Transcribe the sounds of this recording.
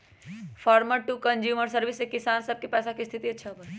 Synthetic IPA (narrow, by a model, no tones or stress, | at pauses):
fʰaːɾməɾʈukə̃nd͡ʒjuːməɾsəɾʋɪsːekɪsaːnsɐb̚kepɛːsakist̪ʰit̪iɐtːʃʰaɦbə